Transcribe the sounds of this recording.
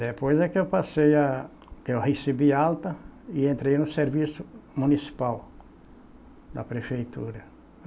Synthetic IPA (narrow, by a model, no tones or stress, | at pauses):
d̪epojzɛkɪewpaseja | kewhesibialt̪ɐiẽnt̪ɾejnʊseɾvisʊmũnisi̥paw | d̪ɐ̰pɾefejt̪ṵɾɐ